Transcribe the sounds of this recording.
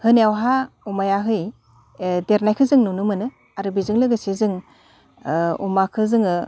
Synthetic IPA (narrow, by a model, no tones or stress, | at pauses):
hɯnawɦa | umajaɦɯj | deɾnajkʰɯzɯŋnunɯmɯnɯ | aɾɯbizɯŋlɯɡɯsezɯŋ | ṵmakʰɯzɯŋɯ